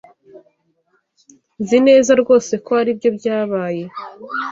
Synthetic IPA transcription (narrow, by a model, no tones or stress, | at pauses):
zine̞ːzaɾɡo̞ːse̞koaɾibɟo̞bɟaːβaːje̞